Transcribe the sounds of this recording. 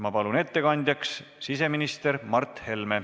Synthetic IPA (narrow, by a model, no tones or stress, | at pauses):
mɑpɑlune̞t̪ːe̞kɑnʲd̪jɑkssis̬e̞minist̪eɾmɑrt̪he̞lme